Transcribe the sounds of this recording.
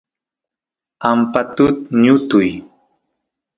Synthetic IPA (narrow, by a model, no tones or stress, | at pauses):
ampat̪ʊt̪̚ɲʊt̪ʊj